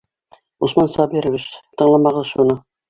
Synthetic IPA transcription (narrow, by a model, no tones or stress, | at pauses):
usmɑnsɑbiɾɘ̆βiɕt̪ɤ̆ɴlˠɑmɑʁɤzʃunɤ